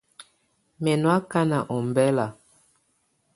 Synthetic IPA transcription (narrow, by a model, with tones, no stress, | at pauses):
mɛ˨nwa˦ka˦na˨ʔɔ˨m˨bɛ˦la˨